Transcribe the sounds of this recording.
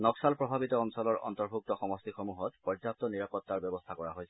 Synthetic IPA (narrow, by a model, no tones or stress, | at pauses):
nɔksalpɹɔbʱabitɔɔnsɔlɔɹɔ̰ntɔɹbʱuk̚tɔxɔmɔstixɔmuɦɔtpɔzap̚tɔniɹapɔtːaɹbɛbɔst̪ʰakɔɹaɦojsɛ